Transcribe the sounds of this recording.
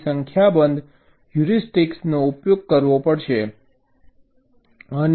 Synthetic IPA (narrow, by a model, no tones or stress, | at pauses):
səŋkʰjabənd̪ʱ | juɾisʈiksnoupjoɡ̚kəɾʋopəɽʃe | ən